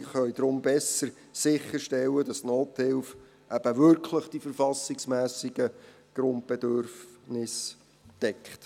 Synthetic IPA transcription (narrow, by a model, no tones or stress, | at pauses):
χœʏd̥̪ɾʊmbɛsəɾ | sɪχːəɾʃtɛlːədɑsnoːthɪlf | ʔæb̥əʋʏɾkʰləχd̥ifəɾfɑsɪksmæːsɪɡ̥ə | ɡ̥ɾʊnt̚b̥ɛd̪øɾfnɪs | d̥ɛkχt